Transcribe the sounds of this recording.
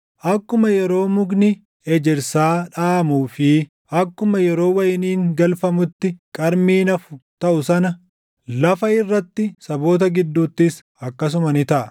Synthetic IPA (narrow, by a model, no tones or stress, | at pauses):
ʔɐkːʊmɐjɛɾo̞ːmʊɡnɪ | ɛd͡ʒɛɾsaːᶑaːmuːfɪ | ʔɐkːʊmɐjɛɾo̞ːwɐjɪniːŋɡɐlfɐmʊt̪ːɪkʼɐɾmiːnɐfʊ̥t̪ɐʔʊsɐnɐ | lɐfɐɪrːɐt̪ːɪsɐbo̞ːt̪ɐɡɪd̪ːuːt̪ːɪs | ɐkːɐs̬ʊmɐnɪt̪ɐʔɐ